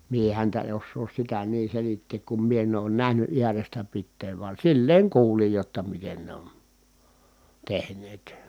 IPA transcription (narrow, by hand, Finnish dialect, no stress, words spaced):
mie hæntæ en̞ osːoːs sitæ niː selitːeːk kum mie en oːn næhny ʔiærestæ pitːeːʋ ʋɑn̞ silːeːŋ kuːlij jotːɑ miten ne on tehnˑeːt